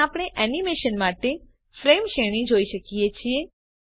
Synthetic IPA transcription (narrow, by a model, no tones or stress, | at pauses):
apɽ̃eʔɛnimeʃənmaʈe | fɾemʃeɽ̃ĩd͡ʒoiʃəkijet͡ʃʰie